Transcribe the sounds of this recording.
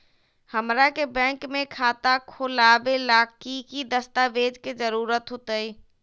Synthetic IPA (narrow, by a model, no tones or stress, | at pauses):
həmɾakebɛ̃ːŋkmẽkʰaːt̪akʰʊlaːbelaːkikid̪əst̪aʋeːd͡ʒkezəɾuːɾət̪ɦʊt̪əi